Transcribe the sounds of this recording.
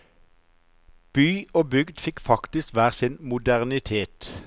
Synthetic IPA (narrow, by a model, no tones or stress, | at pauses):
b̥yːoːbʏɡd̪fɪkfɑkt̪ɪskʋæːʁsɪnmʊd̪æʁnɪt̪ʰeːt̪